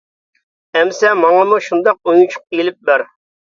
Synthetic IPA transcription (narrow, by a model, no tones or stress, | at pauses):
ɛmsɛmɑŋɑmuʃund̪ɑq̚ujut͡ʃʰʊ̥q̚elɪp̚bæɾ